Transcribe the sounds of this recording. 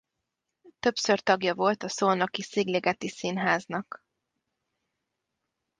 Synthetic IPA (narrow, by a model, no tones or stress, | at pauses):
t̪øpsø̞rt̪ɒɡjɒvo̞lt̪ɒsolnokisiɡleɡɛt̪isinɦaːznɒk